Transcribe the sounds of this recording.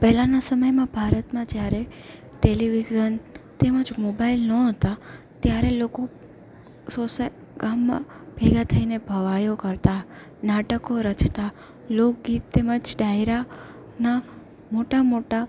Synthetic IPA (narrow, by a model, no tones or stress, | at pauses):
pɛɦlãnasəməjmãbʱaɾət̪mãd͡ʒjaɾe | ʈeliʋizənt̪eməd͡ʒmobailnəɦət̪a | t̪jaɾeloko | sosa | ɡ̥amːã̰b̥ʱeɡat̪ʰəinebʱəʋajokəɾt̪a | naʈəkoɾət͡ʃʰt̪a | lok̚ɡit̪t̪ːeməd͡ʒɖajɾa | na | moʈamoʈa